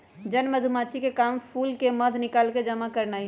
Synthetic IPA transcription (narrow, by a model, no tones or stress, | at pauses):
d͡ʒənməd̪ʱumat͡ʃʰikekaːmpʰuːlkeməd̪ʱnɪkaːlked͡ʒəmakəɾnai